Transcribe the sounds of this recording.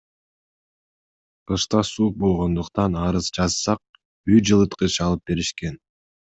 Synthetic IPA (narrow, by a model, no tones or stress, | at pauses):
qɯʃt̪ɑsuːq̚bo̞lˠʁo̞nd̪uqt̪ɑnɑɾɯzd͡ʒɑzsɑq̚ | yjd͡ʒɯlˠɯt̪qɯt͡ʃɑlˠɯp̚be̞ɾiʃke̞n